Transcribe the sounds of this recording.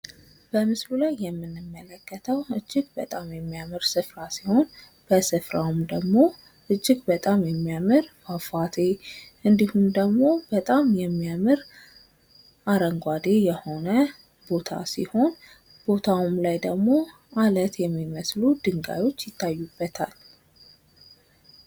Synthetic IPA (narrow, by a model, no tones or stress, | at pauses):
b̥əmɨslulajːɛmːɨnːɨmːələkːət̪ʰəwɨd͡ʒːɪɡbət̪ʼamjɛmːijamɨɾsɨfɾasiho̞n | b̥əsɨfɾawumd̪əɡmo̞ | ʔɨd͡ʒːɪɡbət̪ʼamjɛmːijamɨɾmafat̪ʰe̞ʔɨnd̪ihumd̪əɡmo̞b̥ət̪ʼamjɛmːijamɨɾ | ʔaɾəŋɡʷad̪e̞jɛho̞nə | bo̞t̪ʰa̰sḭho̞n | b̥o̞t̪ʰawumlajd̪əɡmo̞ | ʔalət̪jɛmːiməslud̪ɨŋɡa̰jo̞t͡ʃːjɪt̪ʰːajːubːət̪ʰa̰l